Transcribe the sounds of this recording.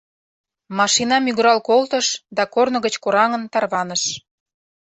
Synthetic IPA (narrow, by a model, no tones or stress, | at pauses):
mɑʃinɑmyɣɾɑlkolt̪əʃd̪ɑkornə̆ɣət͡ɕkoɾɑŋənt̪ɑrβɑnəʃ